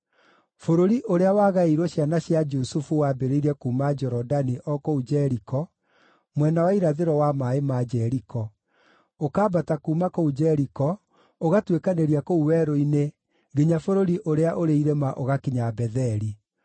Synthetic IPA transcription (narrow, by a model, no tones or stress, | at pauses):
foɾoɾiʔoɾeawaːɣaiɾwɔɕjanaɕjad͡ʒusufuwaːbeɾeiɾɛkuːmad͡ʒɔɾɔdaniʔɔkoud͡ʒɛɾikɔ | mwɛnawaiɾaðeɾɔwamaemad͡ʒɛɾikɔ | okabatakuːmakoud͡ʒɛɾikɔ | oɣatwekaneɾiakouwɛɾoine | ɡeɲafoɾoɾiʔoɾeaʔoɾeiɾɛmaʔoɣakiɲabɛðɛɾi